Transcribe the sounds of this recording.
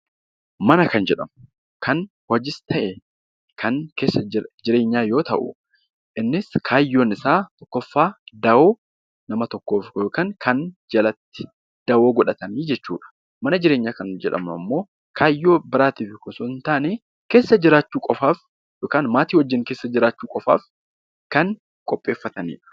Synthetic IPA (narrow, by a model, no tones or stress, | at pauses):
mɐnɐkɐnd͡ʒɛᶑɐmʊ | kʰɐn | wɔd͡ʒɪst̪ʰɐʔɛ | kʰɐŋke̞ːsːɐd͡ʒɪɾe̞ːɲːaːjo̞ːt̪ɐ̰ʔʊ̰ | ʔɪnːɪskʰaːjːoːnɪsaːt̪ɔkːɔfːaːd̪ɐwoː | nɐmɐt̪ɔkːoːfjoːkaːŋkɐnd͡ʒɐlɐt̪ːɪ̥ | d̪̥ɐwoːɡɔᶑɐt̪ɐniːd͡ʒɛt͡ʃːṵːᶑɐ̥ | mɐnɐd͡ʒɪɾeːɲːaːkɐnd͡ʒɛᶑɐ̰mnʊɐ̰mːo̞ː | kʰaːjːo̞ːbɪɾaːt̪iːfɪkʊsʊɪnt̪aːneː | ke̞ːsːɐd͡ʒɪɾaːt͡ʃːuːkʼɔfaːf | joːkaːnmaːt̪iːwɐd͡ʒːɪŋke̞ːsːɐd͡ʒɪɾaːt͡ʃːuːkʼɔfa̰ːf | kɐn | kʼɔpʼːe̞ːfːɐt̪ɐnḭːᶑɐ̥